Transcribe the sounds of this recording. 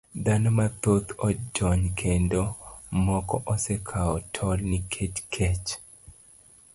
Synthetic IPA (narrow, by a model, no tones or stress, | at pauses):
d̪anomat̪ot̪ʰɔd͡ʒɔɲkʰendomɔkɔʔɔsɛkʰaɔtʰɔlnikʰet͡ʃkʰet͡ʃ